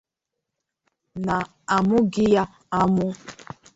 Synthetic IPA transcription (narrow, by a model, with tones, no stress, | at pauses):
na˨ | a˨mʊ˦ɡɪ˦ja˦ | a˦mʊ˦